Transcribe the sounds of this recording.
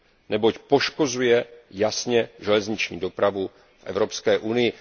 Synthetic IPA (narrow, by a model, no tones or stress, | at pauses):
nɛbo̞cpo̞ʃkozujɛjasɲɛʒɛlɛzɲɪt͡ʃɲḭːdo̞pɾavu | fʔɛ̰vɾo̞pskɛːʔunɪjɪ